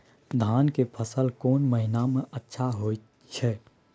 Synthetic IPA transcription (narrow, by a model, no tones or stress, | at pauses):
d̪ʱaːnkepʰəsəlkɔːnməɦɪnamẽʔətːʃʰaɦoːi | t͡ʃʰɛ